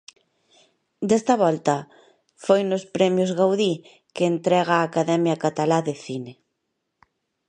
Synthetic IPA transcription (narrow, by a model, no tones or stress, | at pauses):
d̪ɛst̪ɐβɔlt̪ɐ | fojnʊspɾɛmjozɣawði | keːnt̪ɾɛɣ̞aːkaðɛmjakat̪alaðeθine